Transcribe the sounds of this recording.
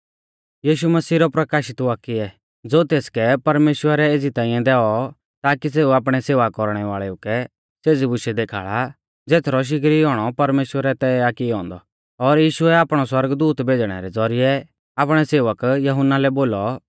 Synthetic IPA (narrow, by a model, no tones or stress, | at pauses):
jiːʃumɐsiːɾɔpɾɐkaːʃɪt̪akiɛ | d͡zoːt̪eːskɛpɐɾmeːʃwəɾɛeːd͡zit̪ãːɪ̃jɛ̃d̪ɛːɔ | t̪aːkis̬eːuaːp̬ɽ̃ɛseːʋakɔɾɽ̃ɛʋaːɭɛʊkɛ | seːd͡zibʊʃɛd̪eːkʰa̰ːɭa | d͡zeːt̪ʰɾɔʃ̬ɪk̬ɾiɦɔːɽ̃ɔpɐɾmeːʃwəɾɛt̪ɛakiɦɔ̰̃ːnd̪ɔ | ɔɾjiːʃʊɛaːpɽ̃ɔswɐɾɡd̪uːt̪bʱeːd͡ʒɽ̃ɛ̰ɾɛd͡zɔɾɪjɛ | aːpɽ̃ɛseːʋəkjɐɦʊnːalɛboːlɔ